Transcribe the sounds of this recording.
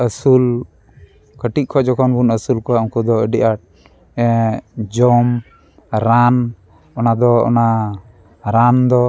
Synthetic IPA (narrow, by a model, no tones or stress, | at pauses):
əsul | kəʈiʔ̚kʰɔd͡ʒɔkʰɔnbunəsulkɔaʔuŋkud̪ɔəɖiʔaʈ̚ | ɛ̃d͡ʒɔm | ɾan | ɔnad̪ɔɔ̰na | ɾand̪ɔ